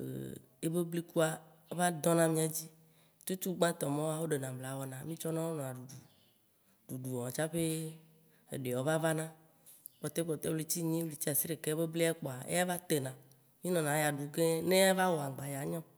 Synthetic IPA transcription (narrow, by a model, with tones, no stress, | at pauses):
ḛ˨ | e˦be˦bli˦ku˦a˨ | e˦va˦d̪ɔ̃˦nã˦mĩ˦a˨d͡ʑi˦ | t̪u˦t̪u˦ɡ͡bã˦t̪ɔ˨mɔ̃˦wa˦wo˦ɖe˨nã˨bla˨˦wɔ˦nã˨mĩ˦t͡ʃɔ˦nã˦wo˦nɔ̃˨a˨ɖu˨ɖu˨ | ɖu˨ɖu˨wɔ˨ɔ̃˨t͡ʃa˦ɸe˦ | ḛ˨ɖe˨wo˦va˦va˦nã˦ | k͡pɔ˨t̪e˦ɸɔ˨t̪e˦wle˦t͡ɕi˦ɲĩ˦li˨t͡ɕi˦a˨si˦ɾe˨ke˦be˦bli˦a˦k͡pɔ˨a˨ḛ˦ja˦va˦t̪e˨nã˨ | mĩ˦nɔ̃˨nã˨˦ja˨ɖu˨ke˦nẽ˦a˦va˦wɔ˨a˨ɡ͡ba˨ja˨ɲɔ̃˦